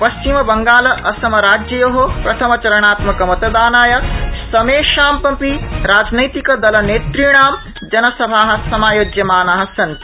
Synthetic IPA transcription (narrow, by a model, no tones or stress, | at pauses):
pɐst͡ʃimɐbɐŋɡaːlɐʔɐsɐmɐɾaːd͡ʒjɐjoɦopɾɐt̪ʰɐmɐt͡ʃɐɾɐɳ̃aːt̪mɐkɐmɐt̪ɐd̪aːnaːjɐsɐmeːʃaːmpɐmpiɾaːd͡ʒnɐjt̪ikɐd̪ɐlɐneːt̪ɾiɳ̃aːm | d͡ʒɐnɐsɐbʱaːɦɐ̆sɐmaːjoːd͡ʒjɐmaːnaːɦɐ̆sɐnt̪i